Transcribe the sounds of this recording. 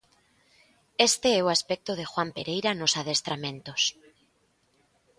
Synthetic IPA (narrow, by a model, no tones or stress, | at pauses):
est̪eɛoaspɛk̚t̪oð̞exwampeɾejɾanosaðest̪ɾamẽnt̪os